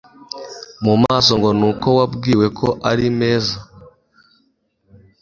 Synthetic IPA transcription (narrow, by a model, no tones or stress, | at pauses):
mumaːso̞ŋɡo̞nuːko̞wabɡiːwe̞kʰo̞ʔaɾime̞ːza